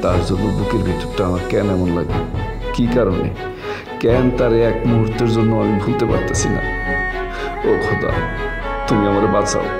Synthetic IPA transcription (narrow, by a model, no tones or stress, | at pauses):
t̪aɾd͡ʑonːod̪ukeɾbʱit̪ːo̥ɾʈaamaɾkɛnɛmonlaɡḛ | kikaɾonḛ | kɛnt̪aɾeɛkmiɦuɾt̪ːeɾd͡ʑonːoamibʱunt̪epa̰ɾt̪asʰina̰ | okʰod̪a̰ | t̪umiamaɾebasa̰